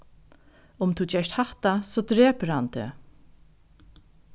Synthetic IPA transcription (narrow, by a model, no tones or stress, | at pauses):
ʊmt̪ʰut͡ʃɛʂt̪haht̪asoːd̪ɾeːpəɾhant̪ʰḛː